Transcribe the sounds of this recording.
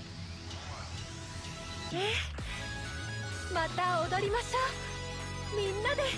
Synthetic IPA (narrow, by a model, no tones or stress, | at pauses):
e | mat̪aod̪o̞ɾʲimaɕoː | mʲĩnːad̪e̞